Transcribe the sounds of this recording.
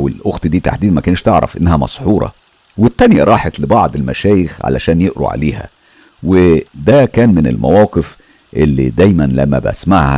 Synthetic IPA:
welʔoɣt̪d̪iːt̪a̰ħd̪iːd̪mækæːnʃt̪eʕɾˤɑ̰fʔenːæhæmɑ̰sˤħuːɾˤɑ̰ | wet̪ːænjæɾˤɑːħɑt̪lɪbɑʕd̪ˤelmæʃæːjexʕa̰læ̰ʃæːnjeʔɾṵʕa̰leːhæ̰ | wed̪ækæːnmɪnḛlmæ̰wɑːqef | ʔelːḭd̪æjmænlæmːæ̰bʔæ̰smaʕhæ

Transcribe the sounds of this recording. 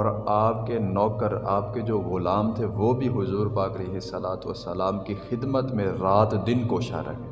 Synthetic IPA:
ɔːɾaːp̚kenɔːkəɾaːp̚ked͡ʒoːɣʊlaːmt̪ʰeʋobʱiɦʊzuːɾpaːkɐleːɦɪsːɐlaːt̪ʋə̰sːəlaːmkixɪd̪mət̪mẽɾaːt̪d̪ɪnkoːʃa̰ɾɐ̰ɦẽː

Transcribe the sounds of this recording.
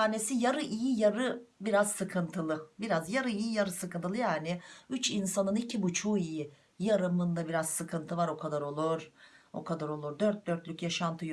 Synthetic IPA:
aːne̞sijaɾɯʔijijaɾɯbiɾazsɯkʰɯnt̪ʰɯlˠɯbiɾazjaɾɯijijaɾɯsɯkɯnt̪ɯlˠɯjaːnɪyt͡ʃinsanɯnicʰibut͡ʃʰuːiji | jaɾɯmɯnd̪abiɾazsɯkʰɯnt̪ʰɯvaɾo̞kʰad̪aɾo̞lˠuɾ̥o̞̰kʰad̪aɾo̞lˠuɾd̪øɾt̪̚d̪øɾt̪lʲycjaʃant̪ʰɯj

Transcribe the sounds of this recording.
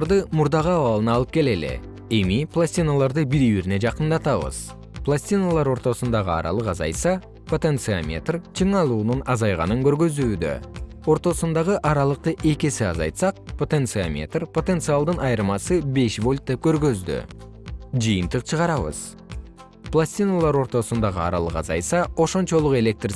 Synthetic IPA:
ɾd̪ɯmuɾd̪ɑʁɯɑβɑlˠɯnɑlˠɯp̚ke̞le̞le̞̰ | e̞miplˠasʲtʲinalˠɑɾd̪ɯbiɾiβiɾne̞d͡ʒɑqənd̪ɑt̪ɑβɯ̰z | plˠasʲt̪ʲinalˠɑɾo̞ɾt̪o̞sund̪ɑʁɯɑ̰ɾɑ̰lˠɯqɑzɑ̰j̪sɑ | pʰo̞t̪ent̪sɨamʲe̞̰t̪rt͡ʃʰɯɴɑlˠuːnunɑzɑjʁɑ̰nɯŋkø̞ɾɡø̞zyːd̪ø̰ | o̞ɾt̪o̞sund̪ɑʁɯʔɑɾɑlˠəq̚t̪ɯʔe̞kʲe̞siɑ̰zɑ̰jt̪sɑq̚pʰo̞t̪ent̪sɨamʲe̞̰t̪rpʰo̞t̪e̞nt̪sɨalˠd̪ɯnʔɑjɾmɑsɯbe̞ʃvo̞lʲt̪̚d̪e̞p̚kø̞ɾɡø̞zd̪y̰ | d͡ʒɯjɨnt̪ɯqt͡ʃʰəʁɑɾɑβɯ̰z̥ | plˠasʲt̪ʲinalˠɑɾo̞ɾt̪o̞sund̪ɑʁɯɑɾɑ̰lˠɯqɑzɑ̰jsɑo̞ʃo̞nt͡ʃo̞lˠuqe̞lʲe̞k̚t̪r

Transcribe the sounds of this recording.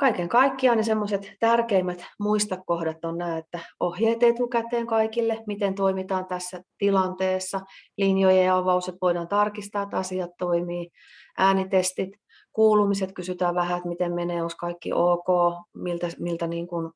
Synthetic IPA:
kɑikeŋkɑikːiɑːnisemːoset̪t̪ærkeimːæt̪muist̪ɑkːohdɑt̪ːonnæːet̪ːæohjeːt̪et̪ukæt̪eːŋkɑikilːemit̪ent̪oimit̪ɑːnt̪æsːæt̪ilɑnt̪eːsːɑlinjojeɑʋɑuset̪ʋoiɾɑnt̪ɑrkist̪ɑːet̪ɑsiɑt̪toimiː | ʔæːnit̪est̪it̪ | kuːlumiset̪kysyt̪æːʋæhæet̪mit̪emmeneːoskɑikːḭʔoːkoːmilt̪æmilt̪æniːŋkun

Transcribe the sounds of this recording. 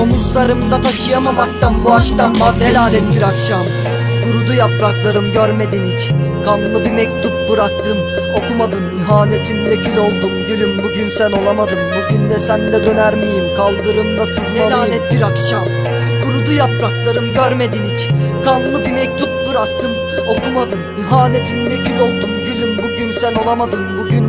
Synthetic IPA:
omuzlˠaɾɯmd̪at̪ʰaʃɯjamamak̚t̪anbuaʃk̪anbazelʲaːnɛt̪̚biɾakʃam | kʰuɾud̪ujapɾaklˠaɾɯmɟøɾme̞d̪inickʰanlˠɯbimɛc̚t̪ʰup̚bɯɾak̚t̪ʰɯm | o̞kumad̪ɯmiɦaːne̞t̪ʰinlecʰilʲo̞lˠd̪umd̪ylʲimbuɟynsælʲo̞lˠamad̪ɯmbuɟynd̪ɛsænd̪ʲɛd̪ø̞næɾmejimkʰalˠd̪ɯɾɯmd̪asiznɛlʲaːɛt̪̚biɾakʃam | kʰuɾud̪ujapɾaklˠaɾɯmɟøɾme̞d̪inickʰanlˠɯbimɛc̚t̪ʰup̚bɯɾak̚t̪ʰɯm | o̞kʰumad̪ɯmiɦaːne̞t̪ʰinilʲecʰylʲo̞lˠd̪umd̪ylʲymbuɟynsæno̞lˠamad̪ɯmbuɟyn

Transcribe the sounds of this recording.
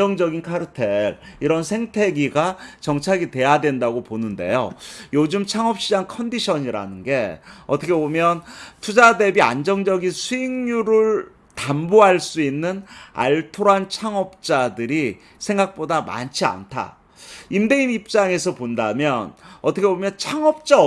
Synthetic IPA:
ʌŋd͡ʑʌɡinkʰaɾɯtʰeɾiɾʌnsʰe̞ŋtʰe̞ɡiɡat͡ɕʌŋt͡ɕʰaɡite̞jadwe̞ndaɡoponɯnde̞̰jojod͡ʑɯmt͡ɕʰaŋʌp̚ɕ͈id͡ʑankʰʌndiɕʰʌɲiɾa̰nɯnɡe̞ʌt͈ʰʌkʰebomjʌntʰud͡ʑade̞bia̰nd͡ʑʌŋd͡ʑʌɡinsʰuiŋjuɾɯɭ | tamboɦaɭs͈uinːɯna̰ɭtʰoɾant͡ɕʰaŋʌp̚t͡ɕ͈adɯɾi | sʰe̞ŋɡak̚p͈odama̰nt͡ɕʰia̰ntʰa̰ | imbeimip̚t͡ɕ͈aŋe̞sʰʌpondamjʌnʌt͈ʰʌkʰebomjʌnt͡ɕʰaŋʌp̚t͡ɕ͈a

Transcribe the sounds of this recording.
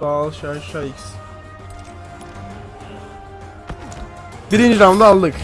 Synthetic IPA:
alˠʃaʃaiks | d̪̥iɾind͡ʒɾamd̪aalˠd̪ɯk

